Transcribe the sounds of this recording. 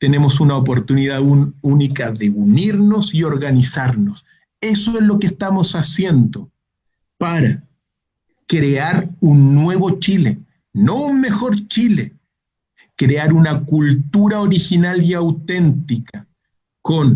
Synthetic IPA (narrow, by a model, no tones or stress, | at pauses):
t̪e̞ne̞mo̞sunaop̬o̞ɾt̪uniðaunikaðeuniɾno̞sio̞ɾɣanisaɾnos | e̞soezlo̞kest̪amo̞sasje̞nd̪o | paɾa | kɾeaɾunːwe̞βo̞t͡ʃile | no̞unme̞xo̞ɾt͡ʃile | kɾeaɾunakult̪uɾaoɾixinaliawt̪e̞nt̪ika | ko̞n